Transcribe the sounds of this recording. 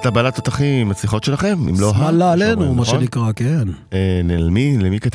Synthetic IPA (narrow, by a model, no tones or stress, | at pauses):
t̪abalat̪ot̪aχimimat͡siχo̞t̪ʃelaχe̞mḭmloɦaalaːlenumaʃenikʁakenenelmilemikat̪